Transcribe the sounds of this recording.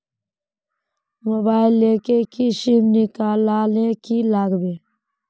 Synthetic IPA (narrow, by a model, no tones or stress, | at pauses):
mobaːɪlːeːkekiʃimnikaːlaːlẽkilaːɡbeː